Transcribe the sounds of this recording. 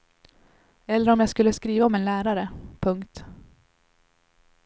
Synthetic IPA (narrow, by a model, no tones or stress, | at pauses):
ɛlːəɾɔmjaːɡskɵlːəskɾiːvaɔmɛnlæːɾaɾəpʰɵŋkt̪